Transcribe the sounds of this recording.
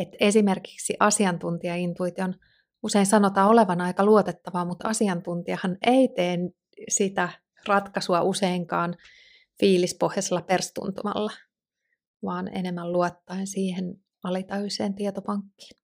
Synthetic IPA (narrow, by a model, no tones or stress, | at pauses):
et̪esimerki̥ksiʔɑsiɑnt̪unt̪iɑint̪uit̪ion | useinsɑnot̪ɑːoleʋɑnɑikɑluot̪et̪ːɑʋɑːmut̪ɑsiɑnt̪unt̪iɑhɑneit̪eːn | sit̪æ | rɑt̪kɑsuɑʔuseiŋkɑːn | fiːlispohjɑselːɑperst̪ṵnt̪umɑ̰lːɑ | ʋɑːnḛnemːælluot̪ːɑinsiːhen | ɑlit̪ɑyseːnt̪iet̪opɑŋkːi̥ːn